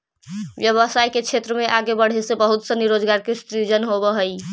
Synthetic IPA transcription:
ʋjəʋəsajket͡ʃʰet̪ɾəmeʔaɡebəɽ̤esebəɦut̪səniɾod͡ʒɡaɾkest̪ɾid͡ʒənɦobəɦəj

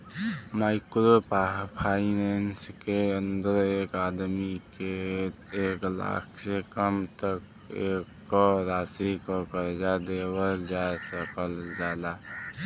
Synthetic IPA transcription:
maːɪkɾopaɦpʰainenskeənd̪əɾekaːd̪mike | eːkla̰kʰsekəmt̪ək | ekː | oɾaːsikokəɾd͡ʒad̪ewəɾd͡ʒasəkəld͡ʒjaːd̪a

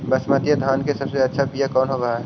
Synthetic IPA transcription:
bəsmat̪ijəd̪ʱaːnkesəbseɐtːʃʰapijakɔːnɦoɾɐɦaɦɛː

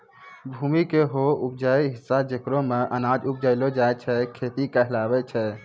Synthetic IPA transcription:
bʱuːmikeɦoup̚d͡ʒaiɦɪsːad͡ʒekɾõmeʔənad͡ʒup̚d͡ʒaɪlod͡ʒaɛt͡ʃʰɛkʰeːt̪ikəɦlaːbɛt͡ʃʰɛ

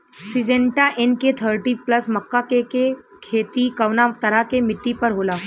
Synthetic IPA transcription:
sid͡ʒẽɳʈaʔenket̪ʰəɾʈiplɐsməkːakeke | kʰeːt̪ikɐʋnat̪ɐɾakemɪʈːipəɾɦoːlaː

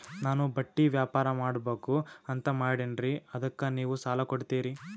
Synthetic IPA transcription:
naːnubɐʈːiʋjaːpaːɾɐmaːɽbeːkuɐnt̪ɐmaːjɽenɾiɐd̪ɐkːɐniːʋusaːlɐkoɽt̪iːɾi

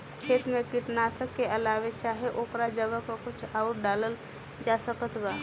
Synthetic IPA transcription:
kʰeːt̪mẽkiʈnasəkːeəlaːʋet͡ʃaːɦeʔoːkɾad͡ʒəɡəkokʊt͡ʃʰaʊɾɖaːləl | d͡ʒaːsəkət̪ɡaː

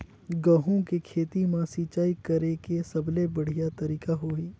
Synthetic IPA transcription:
ɡɐɦõkekʰeːt̪imãsiːt͡ʃaːikɐɾekesɐblebɐɽ̤ijat̪ɐɾiːkaɦoːiː

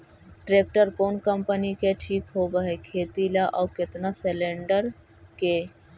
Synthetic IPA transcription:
ʈɾeːk̚ʈəɾkoːnkəmpənikeʈʰiːkɦobəɦekʰeːt̪ilaʔɔːkɪt̪naselẽːɳɖəɾ | keː

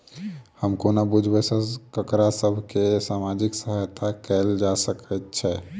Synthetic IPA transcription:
həmkonabud͡ʒʱbɛsə̃kəkɾasəbʱkesamad͡ʒiksəɦəjt̪akɛld͡ʒasəkɛt̪t͡ʃʰɛ

